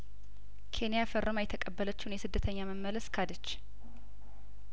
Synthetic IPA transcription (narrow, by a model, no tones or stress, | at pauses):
kʰe̞nijafərːʔəmajɛt̪ʰːəkʼəbːələt͡ʃːunjɛsɨd̪ːət̪ʰəɲːaməmːələskʰad̪ət͡ʃː